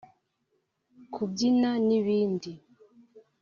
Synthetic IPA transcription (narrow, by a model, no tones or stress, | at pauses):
kʰubɟinaniβiːndi